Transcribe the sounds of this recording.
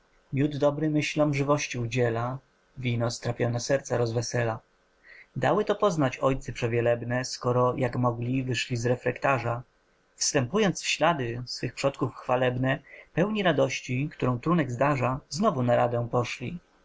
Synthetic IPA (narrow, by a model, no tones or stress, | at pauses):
mʲjud̪d̪ɔbɾɘmɘɕlɔmʐɘvɔɕt͡ɕiud͡ʑɛla | vʲinɔst̪ɾapʲjɔnɛsɛɾt̪saɾɔzvɛsɛla | d̪awɘt̪ɔpɔznat͡ɕɔjt̪sɛpʂɛvʲjɛlɛbnɛskɔɾɔjʔakmɔɡlʲivɘʂlʲizɾɛfɾɛkt̪aʐa | fst̪ɛmpujɔnt̪sfɕlad̪ɘsfɘxpʂɔt̪kufxfalɛbnɛpɛwɲiɾad̪ɔɕt͡ɕikt̪uɾɔ̃w̃t̪ɾunɛɡzd̪aʐaznɔvunaɾad̪ɛpɔʂlʲḭ